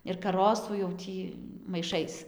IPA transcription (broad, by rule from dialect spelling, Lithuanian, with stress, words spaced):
ɪr kɐˈroːsuː jɛʊ ˈtʲiː mɐɪˈʃɐɪs